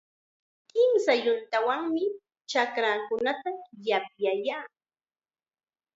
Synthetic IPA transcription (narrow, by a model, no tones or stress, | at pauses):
kɪmsajʊnt̪awaŋmɪ | t͡ʃakɾakʊnat̪ajap̚jajaː